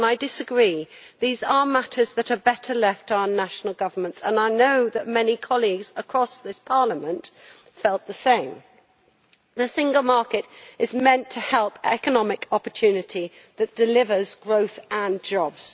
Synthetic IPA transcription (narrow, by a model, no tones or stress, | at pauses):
naɪdɪsəɡɹiːðiːzəmatʰəzðətəbɛtʰəlɛftaʊənaʃnəl̩ˠɡʌvəmə̃ntsə̰̃naɪnoʊðəʔ̚mɛnikʰɒliɡzəkʰɹ̥ɔsðɪspʰɑɹləmə̃nt | fɛlˠʔ̪ðəsẽɪ̃m | ðəsɪ̃ŋɡəlˠmɑɹkɪtɪzmɛ̃ntʰəhɛlˠpʰɛkənɒmɪkʰɒpətʰʉːnɪtʰi | ðətd̥ɪlɪvəzɡɹoʊθə̃nd͡ʒɒbz̥